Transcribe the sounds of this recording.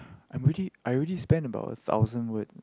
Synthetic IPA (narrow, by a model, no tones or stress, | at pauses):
ʔãɪ̃mɹiliʔaɪɹilispɛ̃ndəba̰ʊtə̰θa̰ʊzə̃nwit